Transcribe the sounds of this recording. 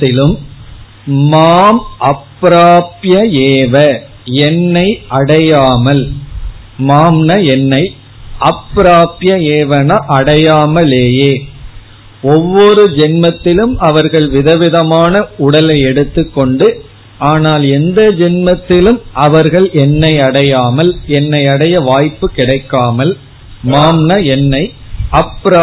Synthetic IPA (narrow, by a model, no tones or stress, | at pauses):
ɪlɯmː | aːmʔɐpːɾaːpjɐeːʋɐ | ɛnːɐɪʔɐɽɐjaːmɐl | maːmnɐɛnːɐɪ | ɐpːɾaːpjɐeːʋɐnɐʔɐɽɐjaːmɐleːjeː | ɔʋːɔɾɯd͡ʒɛnmɐt̪ːɪlɯmʔɐʋɐɾɣɐɭʋɪðɐʋɪðɐmaːnɐʊɽɐlɐɪɛɽɯt̪ːɯkːɔɳɖɯ | aːnaːlɛnd̪ɐd͡ʒɛnmɐt̪ːɪlɯmʔɐʋɐɾɣɐɭɛnːɐɪɐɽɐjaːmɐlɛnːɐɪɐɽɐjɐʋaːjpːɯkɪɽɐɪkːaːmɐl | maːmnɐɛnːɐɪɐpːɾ